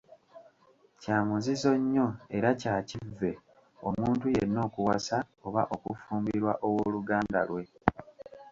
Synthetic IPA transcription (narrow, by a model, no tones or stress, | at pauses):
caːmuzizo̞ɲːo̞e̞ɾacaːcivːe̞ | o̞muːntujeino̞ːkuwasa | oβaʔo̞kufuːmbiɾwaʔowoluɡaːnda̰lwe̞